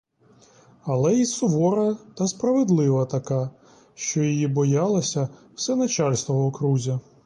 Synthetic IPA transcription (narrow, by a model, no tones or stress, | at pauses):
ɐlˠɛisʊʋɔɾɐt̪ɐspɾɐʋed̪lˠɪʋɐt̪ɐkɑ | ʃt͡ʃɔjɔjibɔjɑlˠɐsʲɐw̥sɛnɐt͡ʃɑlʲst̪ʋɔɦɔkɾuzʲɐ